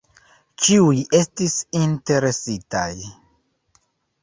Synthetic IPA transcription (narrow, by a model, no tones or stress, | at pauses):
t͡ʃiuje̞stisinte̞ɾe̞sita̰j